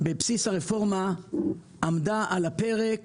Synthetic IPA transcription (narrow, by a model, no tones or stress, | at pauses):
bepsisaʁefoʁma | amdaʔalapɛʁek